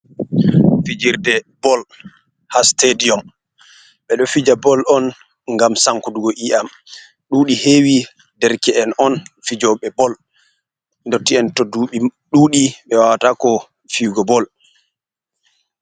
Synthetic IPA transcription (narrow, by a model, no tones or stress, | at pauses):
fid͡ʒiɾdɛbɔl | hastediɔm | ɓɛɗɔfid͡ʒabɔlɔn | ŋɡamsaŋkuduɡɔʔiʔam | ɗuːɗihewi | dɛɾkɛɛnɔnfid͡ʒɔɓɛbɔl | ndɔtːiɛntɔduɓiɗuːɗiɓɛwawtakɔ | fiɡɔbɔl